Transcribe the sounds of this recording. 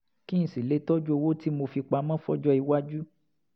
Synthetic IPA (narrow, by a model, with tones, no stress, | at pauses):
kĩ˦ñ̩˨si˨le˨˦tɔ˦d͡ʒu˦o˧wo˦ti˦mo˧fi˧k͡pa˧˦mã˦fɔ˦d͡ʒɔ˦i˧wa˦d͡ʒu˦